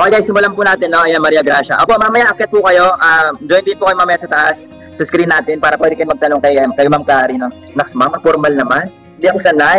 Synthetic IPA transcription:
ʔoːkɛjɡajst̪ɪmʊlɐmpunaːt̪ɛnːo̞ʔɐjanmɐɾiːɐɡɾaʃɐ̰ʔoːpo̞ʔmamɐjaʔɐp̚kɛt̪̚pʊkɐjo̞ʔad͡ʒojnd̪ɪnpʊːkɐjomamɐjasɐt̪ɐʔas | sɐskɾinːaːt̪ɪnpaːɾɐpwɛːd̪ɪkɐjomɐɡ̚t̪ɐnoŋkɐjkɐjmamklaːɾino | nɐksmamɐfoɾmɐlnɐman | ɪd̪iɐsɐnaj

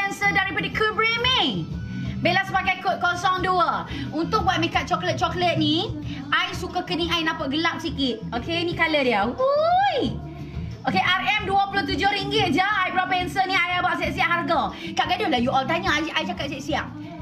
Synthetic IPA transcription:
ɛnsədaɾipadəkʰubɹimeŋ | belasəbaɡajkʊt̪̚kɔsɔŋduəunt̪ʊk̚buat̪̚məkat̪̚t͡ʃɔklət̪̚t͡ʃɔklət̪̚nĩ | ʔajsukakəniŋajnãpaʔ̚ɡəlap̚sikɪt̪̚okenikalədiəuj | ʔokeʔarɛmduəpulʊt̪ud͡ʒʊhɾiŋɡɪt̪̚d͡ʒəajbəɾapɛnsənĩajabaʔsɛʔsiaʔɦarɡə | kaʔɡadʊhlajuʔɔlt̪aɲəajajt͡ʃakat̚sɛʔsia̰ʔ

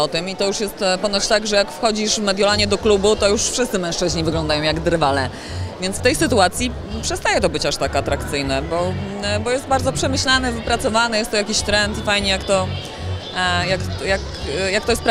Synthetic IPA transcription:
ɔt̪ɨmit̪ɔjuʂjɛst̪pɔnaɕt̪aɡʐɛjakfxɔd͡ʑiʂvmɛd̪ʲjɔlaɲɛd̪ɔklubut̪ɔjuʂfʂɘst̪sɘmɛ̃ʂt͡ʂɘʑɲivɘɡlɔ̃nd̪ajɔ̃w̃jaɡd̪ɾvalɛ | vʲjɛnt̪sft̪ɛjsɘt̪uat̪sʲji | pʂɛst̪ajɛt̪ɔbɘt͡ɕaʂt̪akat̪ɾakt̪sɘjnɛbɔbɔjɛst̪baɾd̪zɔpʂɛmɘɕlanɘvɘpɾat̪sɔvanɛjɛst̪ːɔjakʲiɕt̪ɾɛnt̪fajɲɛjakt̪ɔ | jakjak | jakt̪ɔjɛspɾa

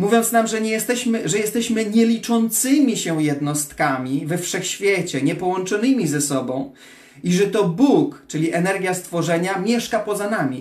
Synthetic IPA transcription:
muvʲjɔnt̪snamʐɛɲɛjɛst̪ɛɕmɘʐɛjɛst̪ɛɕmɘɲɛlʲit͡ʂɔnt̪sɘmʲiɕɛjɛd̪nɔst̪kamʲivɛfʂɛxɕfʲjɛt͡ɕɛɲɛpɔwɔnt͡ʂɔnɘmʲizɛsɔbɔ̃w̃ | iʐɛt̪ɔbukt͡ʂɘlʲiʔɛnɛɾɡʲjast̪fɔʐɛɲamʲjɛʂkapɔzanamʲi

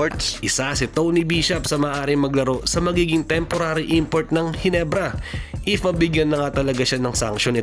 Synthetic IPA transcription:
t̪sʔɪsasɪt̪ownibiːʃɐpsɐmɐːʔaːɾɪŋmɐɡlɐɾo̞sɐmɐɡiːɡɪŋt̪ɛmpo̞ɾaːɾɪʔimpoɹt̪̚nɐŋhɪnɛbɾɐʔɪfmɐbɪɡjɐnːɐŋat̪ɐlɐɡaʃanɐŋsɐ̰ŋʃonɪ

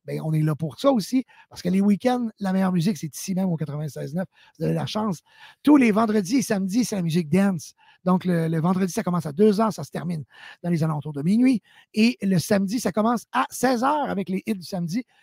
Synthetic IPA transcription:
bɛ̃ɔ̃nɛlapuʁswaosi | paʁ̥sə̥kəlewikʲɛ̃nd̪lamɛjœːʁmyzɪksɛt̪i̥simɛ̃mokat̪χʁəvɛ̃sɛːznœf | vuzalelaʃɑ̃ːs | t̪ulevɑ̃d̪ʁəd͡zisamdd͡ziselamyzɪk̚d̪ɛns | d̪ɔ̃klələvɑ̃d̪ʁədd͡zisakɔmɑ̃sad̪øːzœːʁsasə̥t̪ɛʁmind̪̥ɑ̃lezalɔ̃t̪uʁd̪əminɥi | eləsamd̪d͡z̪isakɔmɑ̃ːsasɛːzœːʁavɛkleʔɪt̪̚d̪ysamd̪i

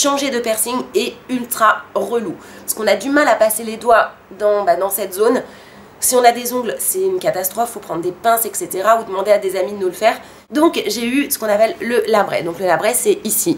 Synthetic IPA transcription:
ʃɑ̃ʒed̪əpɛʁsiŋeylt̪χaʁəlu | sə̥kɔ̃nad̪ymalapaseled̪wa | d̪ɑ̃bad̪ɑ̃sɛt̪zon | siɔ̃nad̪ezɔ̃ɡlsɛynkat̪ast̪χɔfːopχɑ̃d̪ʁd̪epɛ̃sɛkset̪eʁaud̪əmɑ̃d̪ead̪ezamid̪ənulfɛːʁ | d̪ɔ̃kʒeysə̥kɔ̃napɛlːəlabʁɛ̰d̪ɔ̃kləlabʁɛsɛisi

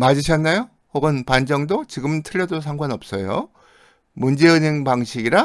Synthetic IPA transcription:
mad͡ʑiɕʰʌnːajo | hoɡɯnpand͡ʑʌŋdot͡ɕiɡɯmtʰɯʎːʌdos̬ʰaŋɡwanʌp̚s͈ʌjo̰ | mund͡ʑe̞ɯɲeŋpaŋɕʰiɡiɾa

